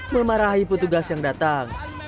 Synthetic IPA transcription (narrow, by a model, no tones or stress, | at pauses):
məmaɾaɦipət̪uɡasjaŋdat̪aŋ